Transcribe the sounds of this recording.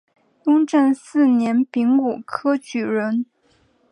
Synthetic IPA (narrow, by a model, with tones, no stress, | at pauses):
ʊ˥ŋʈ͡ʂə˥˧nsɹ̩˥˩njɛ˧˥npi˧˥ŋu˨˩kʰɤ˥t͡ɕy˨˩ɻə˧˥n